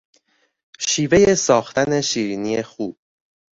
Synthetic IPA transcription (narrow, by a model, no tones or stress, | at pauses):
ʃiːve̞je̞sɒːxt̪ʰæne̞ʃiːɾiːnije̞xuːb̥̚